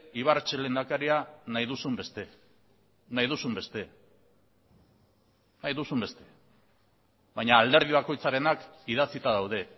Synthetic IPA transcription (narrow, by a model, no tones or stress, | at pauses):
iβ̞aɾt͡ʃele̞nd̪akaɾianajðusumbe̞st̪e | najðusumbe̞st̪e̞ | najðusumbe̞st̪e̞ | βajɲaːld̪e̞ɾð̞iβako̞jt͡saɾe̞nakiðat͡sit̪aðawð̞e̞